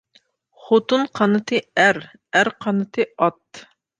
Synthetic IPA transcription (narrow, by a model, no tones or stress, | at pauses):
χot̪unqʰɑnɨt̪ʰɨæɾ | æɾqʰɑnɨt̪ʰɨɑt̪